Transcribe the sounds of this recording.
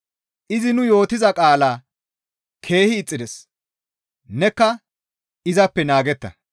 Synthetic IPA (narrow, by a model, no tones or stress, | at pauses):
ʔɪzɪnʊjo̞ːt̪ɪzɐkʼaːlaː | kʰe̞ːhɪːt͡sʼːɪd̪ɛs | nɛkːɐ | ɪzɐpːɛnaːɡɛt̪ːɐ̰